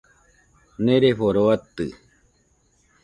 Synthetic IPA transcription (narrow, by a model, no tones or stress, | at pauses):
neɾeɸoɾoat̪ɨ